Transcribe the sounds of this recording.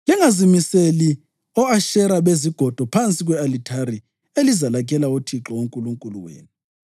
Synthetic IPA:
liŋazimiseli | ɔaʃɛɾaβeziɡ̥ʱɔd̥ʱɔpʰant͡sʼiɣwɛalitʰaɾi | elizalak̬ʼɛlautʰiǁɔoŋkʼuluŋkʼulṵwḛːni

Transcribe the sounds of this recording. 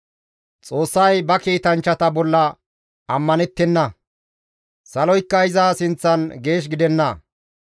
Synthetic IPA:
t͡sʼo̞ːsːɐjbɐkiːt̪ɐnt͡ʃːɐt̪ɐbɔlːɐ | ɐmːɐnɛt̪ːɛnːɐ | sɐlɔjkːɐɪzaːsɪnt͡sːɐnɡe̞ːʃ̬ɡɪd̪ɛnːɐ

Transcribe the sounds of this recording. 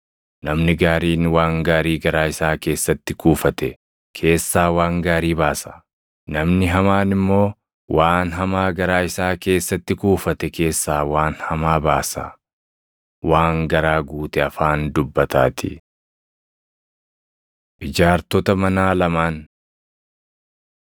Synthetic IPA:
nɐmnɪɡaːɾiːnwaːŋɡaːɾiːɡɐɾaːɪsaːke̞ːsːɐt̪ːɪkuːfɐt̪ɛ | kʰe̞ːsːaːwaːŋɡaːɾiːbaːsɐ̥ | nɐmnɪɦɐmaːnɪmːo̞ː | wʔaːnɦɐmaːɡɐɾaːɪsaːke̞ːsːɐt̪ːɪkuːfɐt̪ɛke̞ːsːaːwaːnhɐmaːbaːsɐ̰ | waːŋɡɐɾaːɡuːt̪ɛɐfaːnd̪ʊbːɐt̪a̰ːt̪ʰɪ̰ | ʔɪd͡ʒaːɾt̪ɔt̪ɐmɐnaːlɐmaːn

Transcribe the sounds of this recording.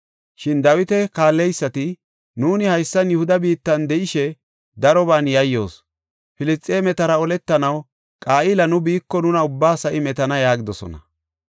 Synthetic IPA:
ʃɪnd̪ɐwɪt̪ɛkaːlːɛjsːɐt̪ɪ | nuːnɪhɐjsːɐnjʊhʊd̪ɐbiːt̪ːɐnd̪ɛʔɪʃɛ | d̪ɐɾɔβaːnjɐjːo̞̰ːs | fɪlɪstʼːeːmɛt̪ɐɾɐɔlɛt̪ːɐnɐw | kʼaːʔɪːlɐnʊbiːkːɔnʊnɐʊbːaːsɐʔɪmɛt̪ɐnɐjaːɡɪd̪ɔsɔ̰nɐ̰

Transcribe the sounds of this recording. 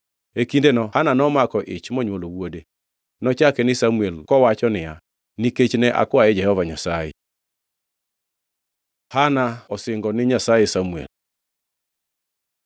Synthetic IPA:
ekindenɔhananɔmakɔʔɪ̰t͡ʃmɔɲwolowode | nɔt͡ʃakɛnɪsamuelkɔwat͡ʃɔnɪja | niket͡ʃnɛʔa̰kwaɛd͡ʒɛhɔvaɲasajḛ | hanaɔsɪŋɡɔnɪɲasajesamuḛl

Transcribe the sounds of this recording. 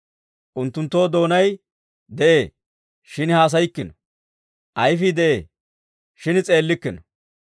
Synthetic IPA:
ʔʊnt̪ːʊnt̪ːo̞ːd̪o̞ːnɐj | d̪ɛʔeː | ʃɪnhaːs̬ɐjɪkːɪnɐ | ʔɐjfɪd̪ɛʔeː | ʃɪnɪt͡sʼe̞ːlːɪkːɪnɐ

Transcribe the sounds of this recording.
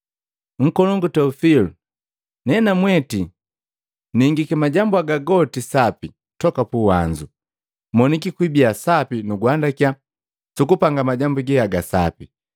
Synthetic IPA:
ŋ̩kɔlɔŋɡutɛufilu | nɛnamwɛti | niŋɡikɛmaɟambuaɡaɡɔtisapi | tɔkapuwaɲd͡ʒu | mɔnikikwibiasapinuɡwandakja | sukupaŋɡamaɟambuɡɛaɡasa̰pi

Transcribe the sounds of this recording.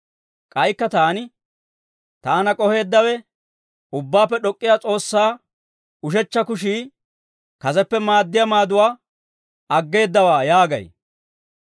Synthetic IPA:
kʼɐjkːɐt̪aːnɪ | t̪aːnɐkʼɔhe̞ːd̪ːɐwɛ | ʊbːaːpːɛɗɔkʼːɪjaːt͡sʼo̞ːsːaː | ʊʃɛt͡ʃːɐkʊʃiː | kɐzɛpːɛmaːd̪ːɪjɐmaːd̪ʊwaː | ɐɡːe̞ːd̪ːɐwaːjaːɡɐ̰j

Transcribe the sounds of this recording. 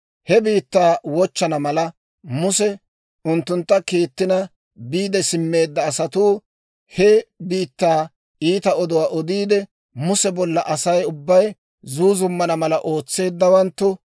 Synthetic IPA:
hɛbiːt̪ːaːwɔt͡ʃːɐnɐmɐlɐ | mʊsɛ | ʊnt̪ːʊnt̪ːɐkiːt̪ːɪnɐ | biːd̪ɛsɪmːe̞ːd̪ːɐːsɐt̪uː | hɛbiːt̪ːaː | iːt̪ɐɔd̪ɔwaːʔɔd̪iːd̪ɛ | mʊsɛbɔlːɐʔɐsɐjʊbːɐj | zuːzʊmːɐnɐmɐlɐʔo̞ːt͡sːe̞ːd̪ːɐwɐnt̪ːʊ

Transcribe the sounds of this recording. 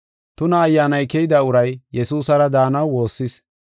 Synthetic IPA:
t̪ʊnɐːjːaːnɐjkɛjɪd̪ɐʊɾɐjjɛsuːsɐɾɐd̪aːnɐwwo̞ːsːɪs

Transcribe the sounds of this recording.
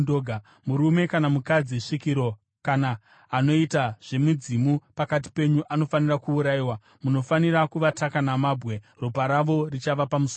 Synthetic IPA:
oːɡʱa | muɾume̞kanamukad͡ziʂikiɾo̞ | kanaː | no̞itaʐ̥e̞mud͡zimupakat̬i̥pe̞ɲuʔano̞fanirakuːɾaiwa | muno̞faniɾakuʋatakanamaːbɣe̞ | rupaɾaʋo̞rit͡ʃaʋapamuso

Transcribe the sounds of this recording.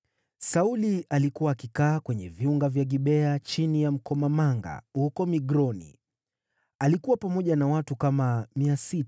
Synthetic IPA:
saulialikuwaːkikaːkwɛɲɛviuŋɡavjaɠiɓɛat͡ʃinijam̩kɔmamaŋɡa̰hukɔmiɡɾɔnḭ | alikuwapamɔʄanawatukamamiasita

